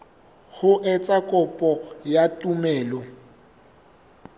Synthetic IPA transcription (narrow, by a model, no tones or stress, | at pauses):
hʊʔɪt͡sʼakʼɔpʼɔjatʼumɛːlɔ